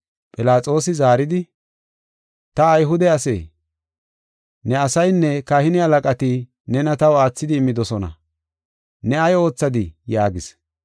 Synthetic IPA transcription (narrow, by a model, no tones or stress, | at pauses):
pʼɪlaːt͡sʼo̞ːsɪzaːɾɪd̪ɪ | t̪ɐːjɦʊd̪ɛɐsḛː | nɛɐsɐjnːɛkahɪnɪɐlɐkʼɐt̪i | nɛnɐt̪ɐwaːt͡sːɪd̪ɪːmːɪd̪ɔsɔnɐ̰ | nɛɐjo̞ːt͡sːɐd̪ɪjaːɡɪs